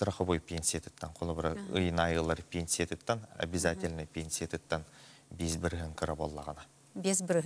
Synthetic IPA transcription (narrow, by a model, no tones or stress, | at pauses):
t̪ʰəɾəqəbojpʰʲensiet̪ʰə̥t̪ːɑɴqʰolˠəbəɾəə̰jnɑjəlˠəɾpʲʰensʲiet̪ət̪ːɑna̰bʲɪzatʲɪlʲnɪpʲensʲiet̪ət̪ːɑn | besbɪɾɦɪŋkəɾabo̰lˠːɑʁɑnɑ | bʲesbɪɾ